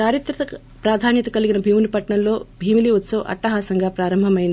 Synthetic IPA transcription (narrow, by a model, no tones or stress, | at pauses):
t͡ʃaːɾjit̪ɾɐt̪ɐ | pɾaːd̪ʱaːnjɐt̪ɐkɐliɡinɐbʱiːmilipɐʈɳɐmlo̞ːbʱiːmiliut̪sɐʋɐʔɐ̰ʈːɐɦaːsɐŋɡaːpɾaːɾɐmbʱɐmɐjind̪i